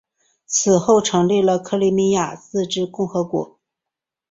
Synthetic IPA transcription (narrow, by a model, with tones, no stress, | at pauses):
t͡sʰɹ̩˨˩xo˥˩ʊʈ͡ʂʰɤ˧˥ŋli˥˩lə˩kʰɤ˥˧li˧˥mi˥ja˥˩t͡sɹ̩˥˧ʈ͡ʂɻ̩˥kʊ˥˩ŋxɤ˧˥kwɔ̰˧˥